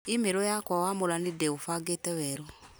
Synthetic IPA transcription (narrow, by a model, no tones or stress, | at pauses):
imeɾɔjakɔwamolanidɛofaɡetɛwɛɾɔ